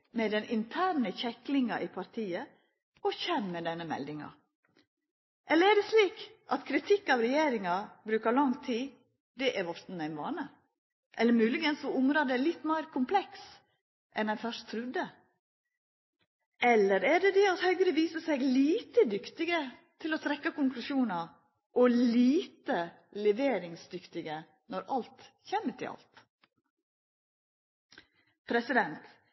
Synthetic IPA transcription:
mɛd̪ɛnʔɪnt̪ʰæːɳəçɛklɪŋɑʔɪpʰɑɾt̪ʰiːə | ɔçɛnmɛd̪ɛnːəmɛ̰ld̪ɪŋɑ̰ | ʔɛlːəɾɛɖɛsliːkʔɑt̪kʰɾɪt̪ʰɪkːɑʋɾɛjeːɾɪŋɑbɾʉːkɑɾlɑŋt̪ʰiː | d̪ɛʔæɾʋɔst̪n̩æɪnʋɑ̰ːnə | ʔɛlːəɾmʉːlɪɡənsɔʊŋɾɑd̪ɛlɪt̪ːmæɪɾkʰʊmpʰlɛks | ʔɛnænfœʂt̪ʰɾʉd̪ə | ɛlːəɾæɖɛd̪ɛɑt̪hœʏɡɾəʋiːsəsɛɡliːt̪əd̪ʏkt̪ɪɡət̪ʰɪlɔt̪ʰɾɛkːɑkʊŋklʉʂuːnɑ | ʔɔliːt̪ə | lɛʋeːɾɪŋsd̪ʏkt̪ɪɡə | nɔɾɑlt̪çɛmːəʈʰɪ̰ʔɑ̰lt̪ | pʰɾɛsɪd̪ɛnt̪

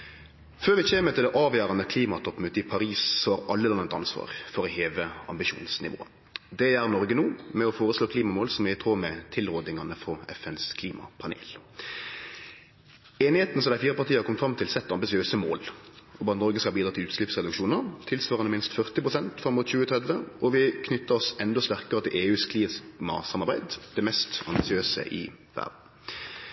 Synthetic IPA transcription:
føːʁʋɪçeːmət̪ʰɪld̪ɛʔɑːʋjæːʁɑnəkʰliːmɑt̪ʰɔpmʉːt̪əɪpʰɑɾiːsːɔhɑɾɑlːəlɑnːəət̪ɑ̰nsʋɑ̰ːʁfɔɾɔheːʋəɑ̰mbɪʃṵːnsnɪ̰ʋo̰ːə̰ | d̪ɛjæʁnɔɾɡənuːmɛɔfoːɾʁəsloːkʰliːmɑmoːlsɔmjæɪt̪ʰʁoːmɛt̪ʰɪlʁoːd̪nɪŋɑnəfɔɛfɛnskʰliːmɑ̰pʰɑnḛːl | eːnɪheːt̪n̩sɔmd̪æɪfiːʁəpɑʁt̪iːɑkɔmt̪fɾɑmt̪ʰɪlsɛt̪ːɑmbɪsɪøːsəmo̰ːl | ɔbɑːnɔʁɡəskɑlbid̪ɑːt̪ʰɪlʉːt̪ʃlɪpsʁɛd̪ʉkʃuːnəʁt̪ʰɪlsʋɑːʁɑnəmɪnst̪fœʁt̪ɪpʁʊsɛnt̪fʁɑmːʊt̪çʉːət̪ʰʁɛd̪ʋəɔʋɪkʰnʏt̪ːəʁɔsɛnd̪ɔst̪æʁkəʁət̪ʰɪleːʉːskʰliːsmɑ̰sɑmɑʁbæɪd̪d̪̥ɛmɛst̪ɑmbɪsɪøːsə̰ʔɪ̰ʋæ̰ʁd̪n̩

